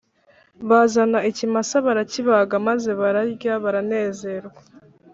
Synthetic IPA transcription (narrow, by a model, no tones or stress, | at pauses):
βazanaicimasaβaɾaciβaɡamaze̞βaɾaɾɟaβaɾane̞ːze̞ɾɡwa